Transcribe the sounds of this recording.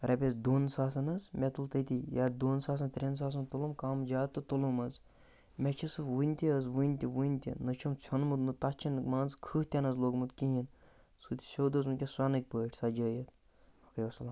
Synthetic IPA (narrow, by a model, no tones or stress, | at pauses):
ɾɐpʲezd̪oːnsaːsɐnɐzmʲɛt̪ult̪ət̪ʲijaːd̪oːnsaːs̬ɐnt̪ɾʲens̬aːs̬ɐnt̪ulumkaːmd͡ʒaːt̪ːɨt̪ulumɐz | mʲet͡ʃʰisɨʋɨnʲt̪ʲiəzʋɨnʲt̪ʲiʋunʲt̪ʲḭnɐt͡ʃʰumt͡sʰonmud̪nɨt̪at͡ʃʰinɨkmaːnzkʰɨːht̪ʲɐnɐzloːɡmɨt̪kĩɦin | sut̪ʲi̥sʲoːd̪ɐzunkʲeswanɨk̚ʲpəːʈʰʲsɐd͡ʒəːjɐt̪ | ɐkɐjʋɐsɐlam